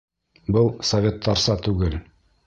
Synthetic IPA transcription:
bɤlˠsɐvʲet̪ʰːɑɾsɑt̪ʉɡɘl

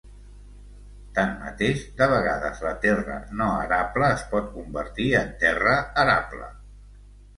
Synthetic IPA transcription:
t̪anmə̰t̪eʃd̪əβ̞əɣaðə̰zlət̪ɛrə̰noəɾapləːspɔt̪̚kumbəɾt̪iənt̪ɛrəəɾa̰plə̰

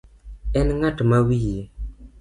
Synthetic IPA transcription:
ɛnŋatmawie

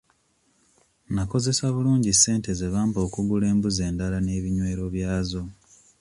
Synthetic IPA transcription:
nako̞ze̞saβuluːɲɟisːe̞ːnte̞zeβaːmbo̞ːkuɡule̞ːmbuze̞ːndalane̞ːβiɲwe̞ːɾo̞βjaːzo̞

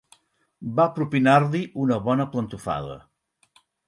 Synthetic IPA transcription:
bapɾupinaɾliʔunəβɔnəplənt̪ufa̰ðə̰

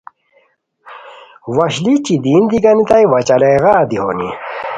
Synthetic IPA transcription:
wɐɕlit͡ɕid̪ind̪iɡɐnit̪ajwɐt͡ɕɐleɣaːd̪iho̰nḭ

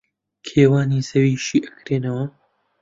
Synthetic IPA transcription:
kʰeːwaːnizɐwiːʃiːʔɐkɾeːnɐwɐ

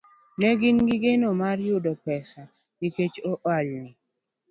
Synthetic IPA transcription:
nɛɡɪnɡɪɡenomarjʊdɔpɛsa | niket͡ʃoʔalnɪ

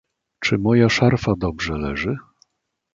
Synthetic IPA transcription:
t͡ʂɘmɔjaʂaɾfad̪ɔbʐɛlɛʐɘ

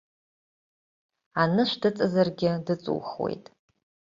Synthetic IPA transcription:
anɨʃʷdɨt͡sʼazarɡʲɪdɨt͡sʼṵːχwḛjtʼ

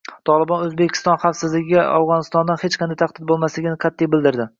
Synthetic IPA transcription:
t̪ʰɒlˠɪbɒnɵzbekʲʰɪ̥st̪ɒnχɑfsɪzlɪɡʲɪɪa̰wʁɒnɪst̪ɒnd̪anhet͡ʃqʰɑnd̪ajt̪ʰaq̚d̪ɪd̪̚bolˠmaslɪɡʲɪnɪqʰɑt̪ʰːijbɪld̪ɪɾd̪ɪ

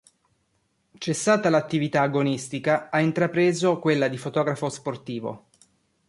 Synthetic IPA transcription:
t͡ʃesːaːt̪alat̪ːivit̪aːɡonist̪ikaaint̪ɾapɾeːzokwelːad̪ifot̪ɔːɡɾafosport̪iːvo̰

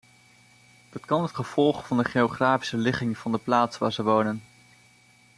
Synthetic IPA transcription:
d̥ɑtkɑnɦətχəv̥ɔlˠχvɑndəχeoχraːfi̥səlɪχɪŋv̥ɑndəplaːtsʋaːɹzəʋownən

